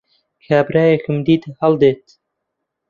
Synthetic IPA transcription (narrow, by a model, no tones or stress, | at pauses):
kʰaːbɾajexɨmd̪iːt̪hald̪eːt̪